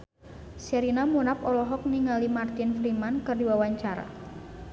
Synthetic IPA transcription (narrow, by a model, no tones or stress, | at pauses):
sɛɾinamunapɔlɔɦɔk̚niŋalimart̪ɪnfɾimankɨrdiwawaɲt͡ʃaɾa̰